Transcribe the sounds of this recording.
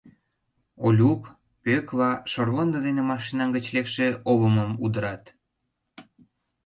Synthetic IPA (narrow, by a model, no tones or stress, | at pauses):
olʲuk | pøklɑʃorβond̪od̪enemɑʃinɑŋɡə̆t͡ɕlekʃeoləməmud̪əɾɑt̪